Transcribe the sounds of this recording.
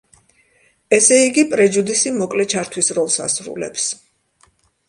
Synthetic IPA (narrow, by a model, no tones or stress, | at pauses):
ɛsɛiɡipʼɾɛd͡ʒud̪isimɔkʼlɛt͡ʃʰaɾt̪ʰwisɾɔlˠsa̰sɾṵlɛ̰ps